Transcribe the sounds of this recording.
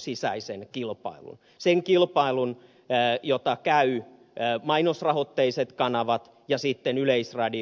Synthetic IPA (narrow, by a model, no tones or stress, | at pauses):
sisæ̰isenkilpɑ̰ilṵn | seŋkilpɑilunː | jot̪ɑkæyː | mɑinosrɑhot̪ːeiset̪kɑnɑʋɑt̪ | jɑsit̪ːenyleisrɑdi